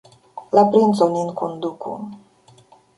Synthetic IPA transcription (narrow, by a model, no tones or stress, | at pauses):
lapɾinsoninkʰond̪ukʰṵ